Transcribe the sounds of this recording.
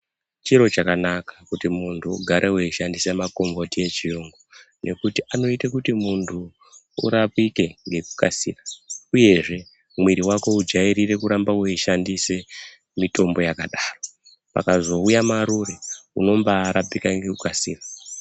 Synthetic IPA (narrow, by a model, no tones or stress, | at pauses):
t͡ʃiɾo̞t͡ʃakanakḁkutimuntʰuːɡʱaɾʔeweiʃandisemako̞mvo̞tie̞t͡ʃijuŋɡo | nʔe̞kutiʔano̞itakutimuntʰu | ṵɾapike̞ŋɡe̞ku̥kasḭːrauje̞ʐe̞ | mwiɾiwako̞ud͡ʒaiɾire̞kuɾambaweiʃandise̞ | mito̞mbo̞jakaɗaːro̞ | pa̰kazo̞ujamaɾuɾeuno̞mbaːɾapikaŋɡekukasiːra